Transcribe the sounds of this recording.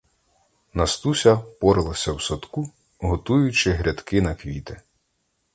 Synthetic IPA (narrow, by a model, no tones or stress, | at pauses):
nɐst̪usʲɐpɔɾɪlˠɐsʲɐwsɔt̪ku | ɦɔt̪ujʊt͡ʃɪɦɾʲɐd̪kɪnɐkʋʲit̪ɪ